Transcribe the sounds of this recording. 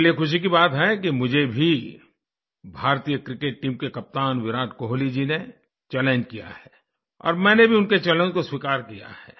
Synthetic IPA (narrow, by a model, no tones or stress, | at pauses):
liexʊʃ̬ik̬ibaːt̪ɦɛkimʊd͡ʒʱebʱi | bʱaːɾt̪ijəkɾɪkeːʈ̚ːiːmkekɐp̚t̪aːnʋɪɾaːʈkoɦolid͡ʒine | t͡ʃɛːlə̃ɲd͡ʒkija̰hɛː | ɔ̰ːɾmɛ̃ːnebʱiʊnket͡ʃɛːlẽnd͡ʒkoswikaːɾkija̰hɛ̰ː